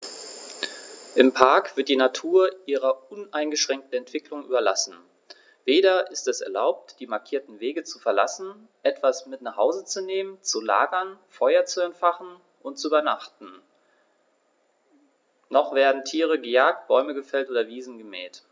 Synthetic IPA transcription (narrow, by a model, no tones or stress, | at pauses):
ʔɪmpʰaɐkv̥ɪɐt̚d̥iːnatʰuːɐʔiːʁɐʔʊnʔaɪnɡəʃʁ̥ɛŋk̚tn̩ɛntv̥ɪklʊŋʔyːbɐla̰sn̩ | veːɾɐʔɪstɛsɛ̰ɐla̰ʊp̚td̥iːmaɐkʰiːɐtn̩veːɡət͡sufɛɐla̰sn̩ | ʔɛtv̥asmɪtnaχhaʊzət͡suneːmənt͡sula̰ːɡɐnfɔʏɐt͡suɛmtfaχn̩ | ʔʊntt͡suyːbɐnaχtn̩ | nɔχv̥eːɐdn̩tʰiːʁ̞əɡəjaːk̚t̚b̥ɔʏməɡəfɛltʔoːdɐviːzn̩ɡəmɛ̰ːt